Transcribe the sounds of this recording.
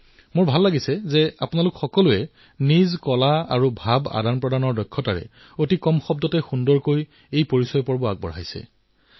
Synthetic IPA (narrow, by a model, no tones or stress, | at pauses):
mʊɹbʱalːaɡisɛzɛapʊnalʊkxɔkɔlʊɛ | nizkɔlaa̰ɹubʱaba̰danpɹɔdanɔɹdɔjkʰːɔtaɹɛ̰ | otikɔmxɔbdɔtɛxundɔɹkoj | ejpoɹisɔjɔpɔɹbɔak̚bɔ̰ɹɦa̰jsɛ̰